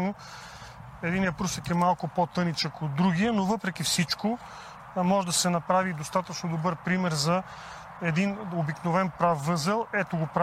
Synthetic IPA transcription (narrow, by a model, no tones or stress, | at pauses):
no | ɛd̪injɐpɾusəkɛmalˠkʊpot̪ɤnit͡ʃəkod̪ɾuɡiənovɤpɾɛk̟ifsit͡ʃko | mɔʒɛd̪ɐsɛnɐpɾavid̪ost̪at̪ɐt͡ʃnod̪obɤɾpɾimɛɾzɐ | ɛd̪inobiknovɛnpɾafːɤzɛlˠɛt̪oɡopɾa